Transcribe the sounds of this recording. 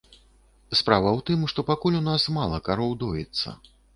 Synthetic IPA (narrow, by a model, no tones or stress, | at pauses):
spɾavɐwt̪ɨmʂt̪ɔpakulʲunasmalˠɐkaɾɔwd̪ɔjɛt̪sːɐ̰